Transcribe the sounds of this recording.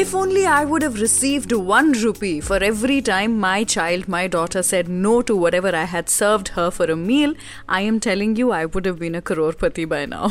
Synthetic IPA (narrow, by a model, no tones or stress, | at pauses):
ɪfõːnliaɪwʊɖəʋɾɪsiːvɖwʌ̃nɾupifɔɾɛvɾiʈãɪ̃mːaɪt͡ʃaɪlɖ̚maɪɖɔːʈəɾsɛɖ̚noːʈuwɔʈɛʋəɾaɪɦæd̥səɾʋɖhəfɔɾəmiːl | ʔa̰ɪɛ̃mʈʰɛlɪ̃ŋjuaɪwʊɖəvbĩːnəkəɾoːɾpət̪ibaɪna̰ʊ